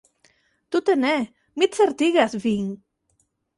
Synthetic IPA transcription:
t̪ut̪ene | mit̪sɛɾt̪iɣasviŋ

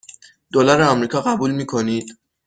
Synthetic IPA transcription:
d̪̥olæɾeɒmɾiːkʰɒːɢæbuːlmiːkʰo̞niːd̪̥

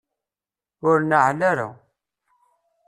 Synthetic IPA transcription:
ʊɾnəʕlaɾa̰

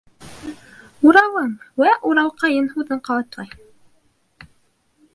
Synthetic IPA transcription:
uɾɑwɤɴwæʔuɾɑwqɑjɤnhuðɤɴqɑwˠɑt̪lˠɑj

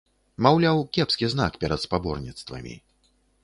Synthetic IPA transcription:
mawlʲawkʲɛpskʲizna̰kpʲɛɾɐt̪spabɔrnʲit̪st̪vɐ̰mʲḭ

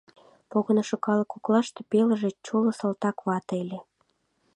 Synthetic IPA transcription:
poɣənoʃokɑlɤkuklɑʃt̪epelə̆ʒet͡ɕolŏsɑlt̪ɑkβɑt̪ele

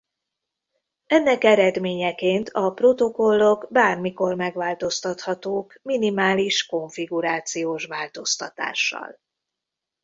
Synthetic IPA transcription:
ɛnːɛkɛɾɛd̪meːɲɛkeːnt̪ʰɒpro̞t̪o̞ko̞lːo̞ɡbaːrmiko̞rmɛɡʋaːlt̪o̞st̪ɒt̪hɒt̪oːkminimaːliʃko̞ɱfiɡuɾaːt̪sijoːʃʋaːlt̪o̞st̪ɒ̰t̪a̰ːʃːɒ̰l

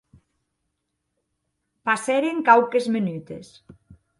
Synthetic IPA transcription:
paseɾeŋkawkezmenyt̪es

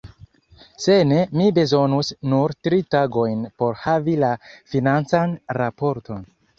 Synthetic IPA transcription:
se̞ne̞mibe̞zo̞nusnuɾtɾitaɡo̞jnpo̞ɾhavilafinant͡sanɾapo̞ɾtʰo̞n

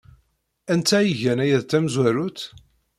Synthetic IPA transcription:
ænt̪æjəʝænæjæðt̪ːæmzwæɾut̪

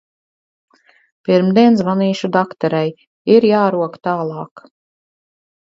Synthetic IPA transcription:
piɾmd̪iɛnsvaniːʃud̪akt̪ɔɾaj | iɾjaːɾuɔkt̪aːlˠɑːk

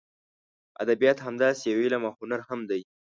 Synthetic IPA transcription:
a̰d̪abijɑt̪hamd̪ɑsejawelamahʊnaɾhamd̪aj

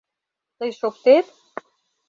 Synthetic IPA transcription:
t̪əjʃok̚t̪et̪

